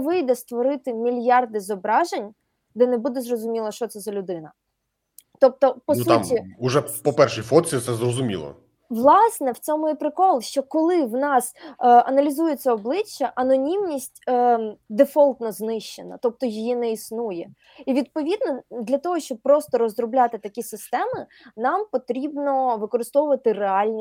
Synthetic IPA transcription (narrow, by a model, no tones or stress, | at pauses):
ʋɪjd̪ɛst̪ʋɔɾɪt̪ɪmʲilʲjɑrd̪ɪzɔbɾɑʒenʲ | d̪ɛnɛbud̪ɛzrɔzʊmʲilˠɐʃt͡ʃɔt̪sɛzɐlʲʊd̪ɪnɐ | t̪ɔp̚t̪ɔpɔsmtʲiʊʒɛpɔpɛrʃijfɔt͡sʲit̪sɛzrɔzʊmʲḭlˠɔ̰ | ʋlˠɑsnɛwt͡sʲɔmʊjipɾɪkɔlˠʃt͡ʃɔkɔlˠɪwnɑsɐnɐlʲizujɛt͡sʲːɐɔblˠɪt͡ʃːɐʔɐnɔnʲimnʲisʲtʲː | d̪efɔlˠt̪nɔznɪʃt͡ʃenɐ̰t̪ɔp̚t̪ɔjijinɛisnujɛ | iʋʲid̪̚pɔʋʲid̪nɔd̪lʲɐt̪ɔɦɔʃt͡ʃɔb̚pːɾɔst̪ɔɾɔzɾɔblʲat̪ɪt̪ɐkʲisɪst̪ɛmɪ | nɑmpɔt̪ɾʲibnɔʋɪkɔɾɪst̪ɔʋʊʋɐt̪ɪreɑlʲnʲ